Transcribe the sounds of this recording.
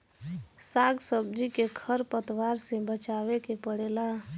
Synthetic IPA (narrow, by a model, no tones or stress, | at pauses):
saːɡsəb̚d͡ʒikekʰəɾpət̪waːɾsebət͡ʃawekepəɽela